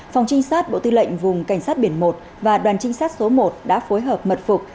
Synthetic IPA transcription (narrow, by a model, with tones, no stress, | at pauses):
fɔ˨˩wŋ͡mt͡ɕï˧ŋ̟saː˦˥t̚ɓo̰˧˨t̪ɨ˧lə̰˧˨jŋ̟vʊ˨˩ŋ͡mka˧˩ŋ̟saː˦˥t̚ɓi˧˩ənmo˨˩t̚ | vaː˨˩ɗwaː˨˩nt͡ɕï˧ŋ̟saː˦˥t̚so˨˦mo˨˩t̚ɗa̰ː˧˥fo˨˦jɦəː˨˩p̚mə˨˩t̚fʊ˨˩k̚